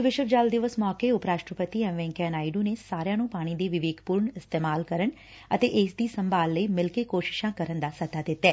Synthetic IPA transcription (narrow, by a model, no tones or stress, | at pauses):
ʋɪʃəkd͡ʒaːld̪ɪʋəsmɔːkeːʊpɾaːʃʈɾəpət̪iːɛmʋɛ̃ːŋkɛːnaːiɖuːneːsaːɾjãːnũːpaːɽ̃iːd̪eːʋɪʋeːɡpuːɾɳɪst̪eːmaːlkəɾəɳ | ət̪eːʔɪsd̪iːsəmbaːlːəiːmɪlkeːkoːʃɪ̥ʃãːkəɾənd̪aːsət̪aːd̪ɪt̪ːɛː